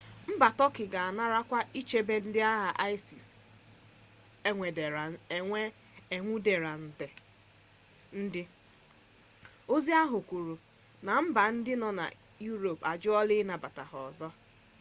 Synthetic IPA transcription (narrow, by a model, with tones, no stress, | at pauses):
m̩˦ba˨tɔ˦kɪ˨ɡa˨a˨na˦ɾa˦kʷa˦i˦t͡ʃe˦be˦n̩˦dɪ˦a˦ɦa˨ʔa˦ɪ˦si˨s | e˦ŋʷe˨de˨ɾa˨e˨ŋʷe˦ | e˨ŋʷu˦de˨ɾa˨n̩˨te˨ | n̩˦dɪ˦ | o˦zi˦a˦ɦʊ˨kʷu˨ɾu˨ | na˨m̩˦ba˨n̩˦dɪ˦nɔ˨na̰˨ | ju˦ɾo˨pa˨d͡ʒʊ˦ɔ˦lɪ˦na˨ba˨ta̰˨ɦɔ˨zɔ˦